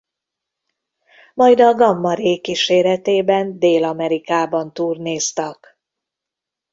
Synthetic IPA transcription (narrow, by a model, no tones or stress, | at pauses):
mɒjd̪ɒɡɒmːɒɾeːkːiʃeːɾɛt̪eːbɛnd̪eːlɒmɛɾikaːbɒnt̪uːrneːst̪ɒk